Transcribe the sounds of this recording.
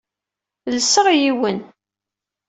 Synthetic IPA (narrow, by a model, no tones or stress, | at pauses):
lsəʁjiwən